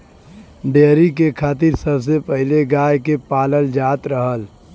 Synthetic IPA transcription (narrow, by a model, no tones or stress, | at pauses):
ɖeːɾikekʰaːt̪iɾsəbs̬epəɦɪleɡaːjkepaːləld͡ʒaːt̪ɾəɦəl